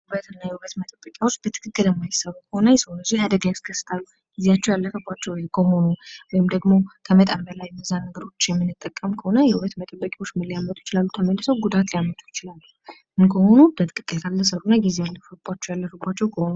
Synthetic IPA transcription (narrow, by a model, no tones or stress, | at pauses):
huβət̪ɨnːajɛhuβət̪mət̪ʼəbːəkʼjawo̞t͡ʃːb̥ət̪ʰɨ̥kʰɨkʼːɨljɛmːajɪsːəβukʰəhonəjɪsəwnəzijad̪əɡajskʰəsːɨ̥t̪ʰalːu | ɡizejat͡ʃːɛwjalːəfəbːat͡ʃːɛwjkʰəho̞nuwɔjɪmd̪əɡmo̞kʰəmət̪ʼambəlajmɨzanəɡəɾo̞t͡ʃːjɛmːɨnːɨt̪ʼːəkʼːəmkʰəho̞nəjɛhuβət̪mət̪ʼəbːəkʼawo̞t͡ʃːmɨlːijamːət̪ʼujɪ̥t͡ʃɪlalːut̪ʰəməlːɨsəwɡud̪at̪lijamːət̪ʰʼu̥jɪt͡ʃɪlalːu | ʔɨnkʰəho̞nubət̪ʰɨ̥kɨkʼːɨlkʰalːəsəɾunːaɡizejalːəfəbːat͡ʃːɛwjalːəfəbːat͡ʃːɛwkʰəho̞nu